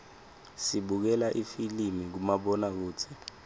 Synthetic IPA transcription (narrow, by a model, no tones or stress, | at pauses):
siɓuk̬ɛlaʔifilimik̬umaɓɔnak̬uːt͡sʰɛ